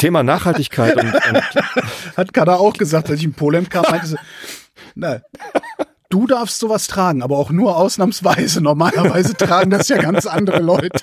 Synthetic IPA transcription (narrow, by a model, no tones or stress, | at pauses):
tʰeːmanaːχhaltɪçkʰaɪtʊntʊ | hatkʰadaaʊxɡ̥əzaːktʔalsɪçɪnpʰoːlɛmkʰaːmmmaɪntəzi | na | d̥uːdaɐfstz̥oːvastʁ̥aːɡŋ̩ʔaːbɐaʊxnuːɐʔaʊsnaːmsv̥aɪzənɔɐmaːlɐvaɪzətʁ̥aːɡŋ̩dasjaːɡant͡sʔandəʁəlɔʏtʰə̥